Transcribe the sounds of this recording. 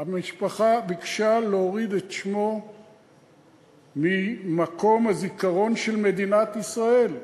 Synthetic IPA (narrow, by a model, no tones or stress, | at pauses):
amiʃpaχabikʃalooʁid̪etʃmo̞ | mimako̞mhazikaʁo̞nʃe̞lme̞d̪inat̪isʁae̞l